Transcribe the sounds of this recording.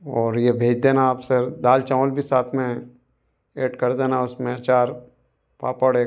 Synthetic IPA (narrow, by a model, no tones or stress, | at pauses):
ɔːɾjebʱeːd͡ʒd̪eːnaːpsed̪aːlt͡ʃãːʋəlbʱisaːt̪ʰmẽ | eːʈkɐɾd̪eːnaʊsmeːɾt͡ʃaːɾ | pa̰ːpəɽeː